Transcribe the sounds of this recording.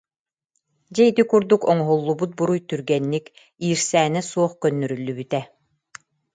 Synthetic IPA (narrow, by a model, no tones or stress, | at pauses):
d͡ʑɛjd̪ikuɾd̪ukɔŋɔɦulˠːubut̪̚buɾujt̪yɾɡɛnːik | iːɾsæːnɛsuɔχkœnːœɾylːybyt̪ɛ